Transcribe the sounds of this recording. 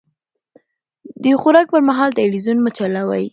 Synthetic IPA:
d̪əxʊɾɑk̚pəɾmaɦɑlt̪alwizunmət͡ʃalawa̰j

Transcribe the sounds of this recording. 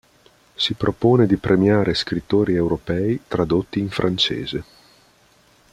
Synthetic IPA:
sipɾʔopoːned̪ipɾʔemjaːɾʔeskɾit̪ːoːɾiewɾopɛːit̪ɾad̪ot̪ːiːɱfɾʔant͡ʃḛːze

